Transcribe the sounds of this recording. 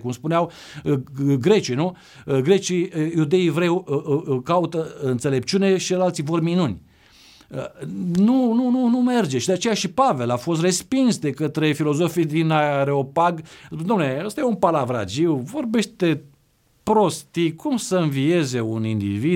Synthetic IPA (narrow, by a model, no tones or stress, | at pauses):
kumspuneaw | ɡɾe̞t͡ʃinu | ɡɾe̞t͡ʃijud̪eivɾewkaut̪əɨnt̪sele̞p̚t͡ʃune̞ʃiɨlalt̪sivorminunʲ | ənunununume̞rd͡ʒe̞ʃid̪eat͡ʃe̞jaʃipave̞lafo̞st̪re̞spinsd̪e̞kət̪ɾe̞filo̞zo̞fid̪inaɾeo̞paɡd̪omnleəst̪ajeumpalavɾa̰d͡ʒiwvo̞rbe̞ʃt̪e̞ | pɾo̞st̪ikumsəɨnvie̞ze̞unind̪ḭvi